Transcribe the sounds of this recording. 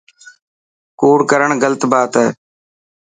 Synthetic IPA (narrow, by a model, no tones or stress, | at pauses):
koːɽkəɾəɳɡələt̪baːt̪ɦɛː